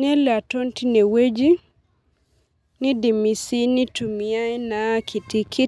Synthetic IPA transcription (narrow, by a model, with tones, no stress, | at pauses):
nɛ˦lɛ˨a˨to˦nti˦ne˨we˦d͡ʒi˦ | nɪ˦di˨mi˨si˦ni˦tu˨mi˨a˦jna˨˦kʰi˨ti˦kʰi˦